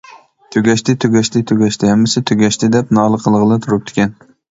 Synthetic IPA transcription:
t̪ʰøɡʲɛʃt̪ʰɪt̪ʰøɡʲɛʃt̪ɪt̪ʰøɡʲɛʃt̪ʰɪhɛmːɪsɪt̪ʰøɡʲɛʃt̪ʰɪd̪ɛpnɑːlˠəqʰəlˠəʁəlˠɨt̪ʰuɾup̚t̪ʰɪ̥kʲɛn

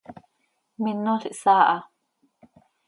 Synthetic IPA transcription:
minoɬiʔsaːʔɑ

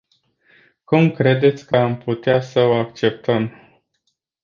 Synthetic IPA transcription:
kumkɾe̞d̪e̞t̪sʲkəamput̪easəoakt͡ʃe̞p̚t̪əm

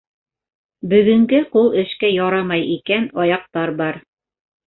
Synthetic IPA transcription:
bɵ̆ɡɵ̆ŋɡɘqulˠɘ̆ʃkæjɑɾɑmɑjikænɑjɑq̚t̪ɑɾbɑɾ

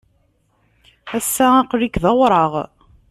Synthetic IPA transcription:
æsːæɑqɾikðɑwɾˤəʁ

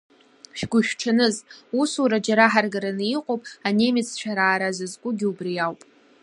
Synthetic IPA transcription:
ʃᶣɡʷʊʃᶣʈ͡ʂʰanɨzusuɾad͡ʒaɾaħarɡaɾanɨiqʼowpʼane̞mɪt͡sʰt͡ʃʷʰᶣaɾaːɾazɨzɡʷʼʊɡʲɪubrijawpʼ

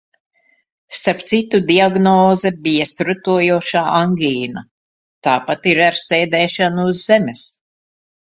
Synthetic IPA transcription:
st̪aɾp̚t̪sit̪ud̪iaɡnɔːzɛbijast̪ɾut̪uɔjuɔʃaːʔaŋɡiːna | t̪aːpat̪iɾaɾsɛːd̪ɛːʃanuːzːemɛs

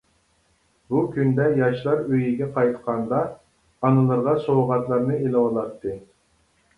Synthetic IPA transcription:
bukʲynd̪ɛjɑʃlˠɑɾøjiɡʲɛqʰɑjt̪qʰɑnd̪ɑː | nɨlˠɨɾʁɑsowʁɑt̪lˠɑɾnɨelˠɨwɑlˠɑt̪ʰːɨ

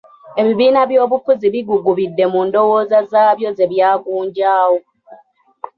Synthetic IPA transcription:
e̞βiβiːnaβjo̞ːβufuziβiɡuɡuβidːe̞muːndo̞wo̞ːzazaːβjo̞ze̞βjaːɡuːɲɟaːwo

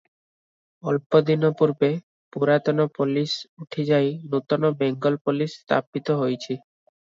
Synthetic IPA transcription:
ɔlpod̪inopuɾbe | puɾat̪onopolisuʈʰed͡ʑajnot̪onobɛŋɡolpolisst̪a̰pit̪oɦojt͡ɕʰi

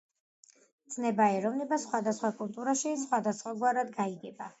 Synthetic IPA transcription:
d̪z̥nɛbaɛɾɔvnɛbasχwad̪asχwakʼulˠt̪ʼuɾaʃisχwad̪asχwaɡwaɾad̪ɡaiɡɛba

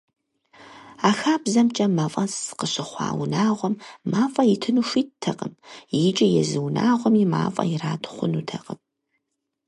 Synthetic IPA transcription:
aːxaːbzɐmt͡ʃʼɐmafʼɐsɨ̥qəɕɨχʷɑ̰ːwnaːʁʷɔmːaːfʼɐjɪtʰɨnuʃʷiːttʰɐqəmjɪt͡ʃʼɐjɛ̰zɨwna̰ːʁʷɔmima̰ːfʼɐ̰jɪraːtʰχʷʊnutʰɐqʼəm

